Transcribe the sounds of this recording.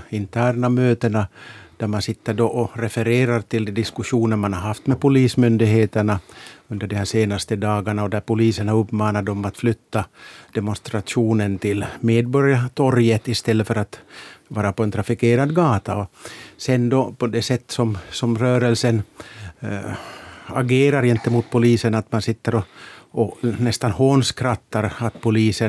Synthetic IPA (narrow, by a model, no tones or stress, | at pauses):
ɪnt̪ʰæːɾɳamøːt̪əɳad̪̥æɾmansɪt̪ːəɖɔʔɔɾɛfɛɾeːɾaɾt̪ɪld̪ɛd̪ɪskɵʂuːnəɾmanhaɾɦaft̪mɛpʊliːsmʏnd̪ɪɡɦeːt̪əɳaɵnd̪əɖɛmhæːʂeːnast̪əd̪ɑːɡaɳaɔd̪æɾpʊliːsəɳaɾɵpːmɑːnad̪ɔmat̪flʏt̪ːad̪̥ɛmɔnst̪ɾat̪ʂuːnənt̪ʰɪlːmeːd̪̚bɔɾjat̪ʰɔɾjət̪ɪst̪ɛlːəfœɾat̪vɑːɾapɔɛnt̪ʰɾafɪkeːɾad̪ɡɑːt̪aɔsɛnd̪ɔpʰɔd̪ɛsɛt̪ːsɔmsɔmɾœːɾəlsən | a̰ɡeːɾaɾjɛnt̪əmʊt̪̚pʰʊliːsənat̪mansɪt̪ːəɾɔɔnɛst̪anhoːnskʰɾat̪ːaɾat̪̚pʰʊliːsə